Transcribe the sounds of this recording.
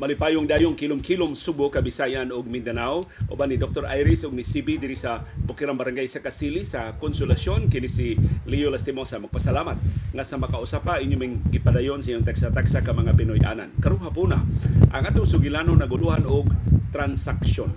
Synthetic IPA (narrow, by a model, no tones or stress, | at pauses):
mɐlɪpajoŋd̪aːjʊŋkilʊmkilʊmsubokabɪsajanʊɡ̚mɪnd̪anawʔo̰banid̪ok̚t̪oɾʔa̰jɾɪsʊɡ̚nɪsibid̪ɪɾisabʊkiɾambɐɾaŋɡajsɐkasilisakonsʊlasjonkɪnisɪlijolast̪ɪmosamɐɡ̚pasalamat̪̚ŋasɐmɐkaʊsapaʔɪɲomaŋɡɪpad̪ajonsaʔiɲʊŋt̪aksat̪aksakamɐŋapɪnojʔa̰na̰nkɐɾoŋɦapuna̰ʔaŋʔat̪ʊŋsʊɡɪlanoŋnɐɡʊluhanʊɡ̚t̪ɾansakson